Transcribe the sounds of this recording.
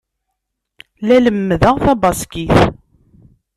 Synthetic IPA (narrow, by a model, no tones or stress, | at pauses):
læləmːðəʁθæbɑskiθ